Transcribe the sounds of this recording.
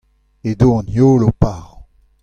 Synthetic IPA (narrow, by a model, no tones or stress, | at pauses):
edoɑ̃njoːlopaʁɔ̃